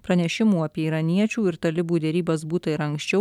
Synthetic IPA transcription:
pɾɐnʲɛʃʲɪmuːɐpʲiɛiːɾɐnʲiɛt͡ʃʲuːɪɾt̪ɐlʲɪbuːd̪ʲɛɾʲiːbɐsbuːt̪ɐɪɾɐŋksʲt͡ʃʲɛʊ

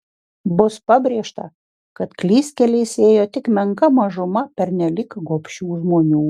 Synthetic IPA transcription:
bʊspɐbʲɾʲeɛʃt̪ɐ̰ | kɐt̪klʲiːsʲkʲɛlʲɛɪseːjoːt̪ʲɪkmʲɛŋkɐmɐʒʊmɐpʲɛɾnʲɛlʲɪkɡoːpʲʃʲuːʒmoːnʲuː

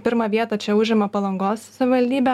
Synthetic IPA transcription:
pʲɪɾmɐːʋʲiɛt̪ɐt͡ʃʲɛʊʒʲɪmɐpɐlˠɐŋɡoːssɐʋʲɪʋɐlʲd̪ʲiːbʲɛ

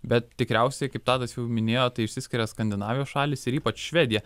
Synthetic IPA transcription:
bʲɛt̪t̪ʲɪkɾʲɛʊsʲɛɪkɐɪp̚t̪ɑːt̪ɐsjɛʊmʲɪnʲeːjoːt̪ɐɪɪʃʲsʲɪsʲkʲɪɾʲɛskɐnʲd̪ʲɪnɑːʋʲɪjoːsʃɑːlʲɪsɪɾiːpɐt͡ʃʃʲʋʲɛːd̪ʲɪjɛ

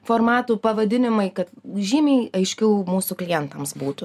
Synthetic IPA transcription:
foːɾmɑːt̪uːpɐʋɐd̪ʲɪnʲɪmɐɪkɐt̪ʒʲiːmʲeɪɐɪʃʲkʲɛʊmuːsuklʲɪjɛnt̪ɐmsbuːt̪ʊ

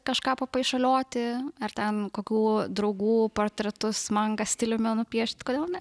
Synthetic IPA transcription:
kɐʃkɑːpɐpɐɪʃɐlʲoːt̪ʲɪɐrt̪ʲɛnkoːkʲuːd̪ɾɐʊɡuːpoːrt̪ʲɾʲɛt̪ʊsmɐŋɡɐsʲt̪ʲɪlʲʊmʲɛnʊpʲiɛʃʲt̪ʲkoːd̪ʲeːlˠnʲɛ

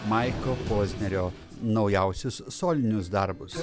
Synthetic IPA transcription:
mɑɪkopoːzʲnʲɛɾʲoː | nɒʊjɛˑʊsʲʊsːoːlʲɪnʲʊs̬d̪ɐɾbʊs

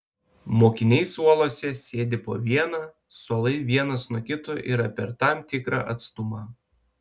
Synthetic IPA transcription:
moːkʲɪnʲɛɪsuɔlˠoːsʲɛsʲeːd̪ʲɪpo̰ːʋʲiɛnɑ | suɔlˠɐɪʋʲiɛnɐsnuɔkʲɪt̪oːʔḭːɾɐpʲɛɾt̪ɑˑmt̪ʲɪkɾɑ̰ːʔɐt̪st̪ʊmɑː

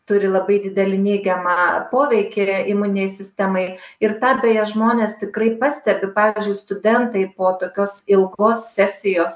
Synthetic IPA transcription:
t̪ʊɾʲɪlˠɐbɐɪd̪ʲɪd̪ʲɛlʲɪnʲɛɪɡʲɛmɑpoːʋʲɛɪkʲɪimʊnʲɪnʲɛɪsʲɪsʲt̪ʲɛmɐɪɪrt̪ɑːbʲeːjɛʒmoːnʲeːst̪ʲɪkɾɐɪpɐsʲt̪ʲɛbʲɪpɑːʋʲiizʲd͡ʒʲʊɪst̪ʊd̪ʲɛnt̪ɐɪpoːt̪oːkʲoːsɪlˠɡoːssʲæsʲɪjoːs

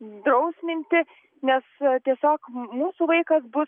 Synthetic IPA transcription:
d̪ɾɐʊsʲmʲɪnʲt̪ʲɪ | nʲɛst̪ʲiɛsʲoːkmuːsuːʋɐɪkɐsbʊ

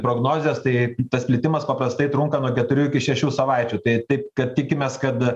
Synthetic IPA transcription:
pɾoːɡnoːzʲeːst̪ɐɪt̪ɐsʲpʲlʲɪt̪ʲɪmɐspɐpɾɐst̪ɐɪt̪ɾʊŋkɐnuɔkʲɛt̪ʊɾʲuːɪkʲɪʃʲɛʃʲuːsɐʋɐɪt͡ʃʲuːt̪ɐɪt̪ɐɪp̚kɐt̪̚t̪ʲɪkʲɪmʲeːskɐt̪

